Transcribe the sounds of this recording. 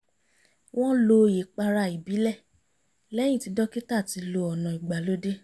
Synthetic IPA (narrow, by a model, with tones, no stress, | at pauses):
w̃ɔ̃˦lo˧˨je˨k͡pa˧ɾa˧˨i˨bi˨˦lɛ˦˨ | lɛ˦j̃ĩ˦˨ti˨˧dɔ˦ki˦ta˦˨ti˨˧lo˧ɔ˨nã˨i˨ɡ͡ba˨lo˦de˦